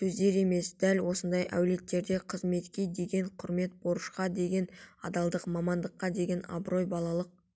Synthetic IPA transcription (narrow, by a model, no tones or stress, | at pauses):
sɵzd̪e̞ɾe̞me̞sd̪̥ælwo̞sənd̪ɑjʔæ̰wle̞t̪ːe̞ɾd̪e̞qʰəzme̞t̪kʲe̞d̪e̞ɡʲe̞ɴqʰʊɾme̞t̪̚bo̞ɾəʃqɑd̪e̞ɡʲe̞nɑ̰d̪ɑlˠd̪əqmɑmɑnd̪əqːɑd̪e̞ɡʲe̞nɑ̰bɾo̞jbɑlˠɑlˠəq̚